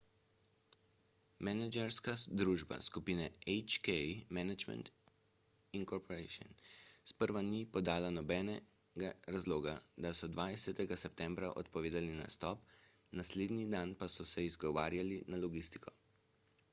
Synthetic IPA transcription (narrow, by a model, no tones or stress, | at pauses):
mɛnɛd͡ʒɛɾskad̪ɾuːʒba̰skupiːnɛɛt͡ʃkɛjmɛnad͡ʒmɛ̰nt̪ | iŋkɔɾpɔɾeʃɔ̰nspəɾʋanipɔd̪aːlanɔbɛːnɛ | ɡaɾazloːɡad̪asɔd̪ʋajsɛt̪ɛɡasɛp̚t̪ɛ̃mbɾaʔɔ̰t̪̚pɔʋeːd̪alina̰st̪ɔp | nasleːd̪nid̪anpasɔsɛizɡɔʋaːɾjalinalɔɡist̪i̥kʰɔ